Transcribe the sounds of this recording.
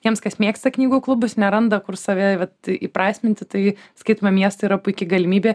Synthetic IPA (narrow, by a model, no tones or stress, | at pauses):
jiɛmskɐsmʲeːkst̪ɐknʲiːɡuːklˠʊbʊsnʲɛɾɐnd̪ɐkʊrsɐʋʲɛʋɐt̪ipɾɑːsʲmʲɪnʲt̪ʲɪt̪ɐɪskɐɪt̪omɐmʲiɛst̪ɐiɾɐpʊɪkʲɪɡɐlʲɪmʲiːbʲeː